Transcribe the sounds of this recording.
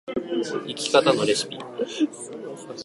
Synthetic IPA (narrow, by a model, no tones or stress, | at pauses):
ikʲi̥kat̪ano̞ɾe̞sɨ̥pʲi